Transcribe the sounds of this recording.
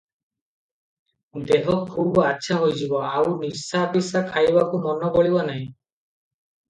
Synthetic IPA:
d̪eɦɔkʰubɔatːʃʰaɦojd͡ʒibɔawnisabisakʰajbakumɔnɔkɔɭibanaɦĩ

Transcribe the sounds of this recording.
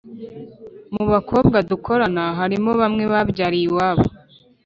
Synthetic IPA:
muβakʰo̞bɡadukʰo̞ɾanaɦaɾimo̞βamŋe̞βabɟaːɾiwaβo̰

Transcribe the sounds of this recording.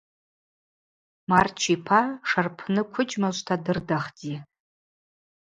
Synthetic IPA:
mart͡ʃʰipʰaʂarpʰnɨkʷʰʊd͡ʒʼmaʒʷtʰadɨrdaχd͡zi

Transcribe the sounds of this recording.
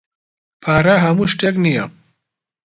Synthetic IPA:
pʰaɾaɦamuʃʈeknijam

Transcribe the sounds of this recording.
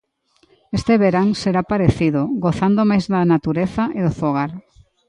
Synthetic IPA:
est̪eβeɾaŋseɾapaɾeθiðʊɡoθand̪omajzðanat̪uɾeθaʔeðʊfoɣ̞aɾ

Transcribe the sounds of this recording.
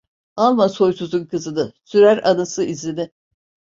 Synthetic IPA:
alˠmaso̞jsuzunkʰɯzɯd̪ɯsyɾæɾanɯsɯʔizlʲid̪ɪ

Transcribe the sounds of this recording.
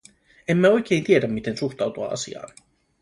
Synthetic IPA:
emːæo̞jk̟e̞ːjnt̪iedæmːit̪e̞nsuxt̪ɑwt̪uɑ̰ːɑ̰sḭɑ̰ːn

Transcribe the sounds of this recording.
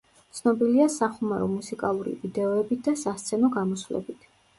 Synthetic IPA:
t̪sʰnɔbiliasaχumaɾɔ̰musikʼalˠuɾḭvid̪ɛɔɛbit̪̚ʰd̪asast̪sʰɛnɔɡamɔsvlɛ̰bit̪ʰ

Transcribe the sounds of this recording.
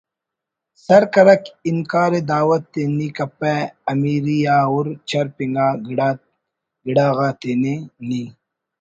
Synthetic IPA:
sɐɾkɐɾɐkiŋkaːɾed̪aːwɐt̪ːenikɐpeːɐmiːɾijaːoɾt͡ʃʰɐɾpiŋɡaːɡɽ | ɡɪɽaːɣaːt̪eːneniː

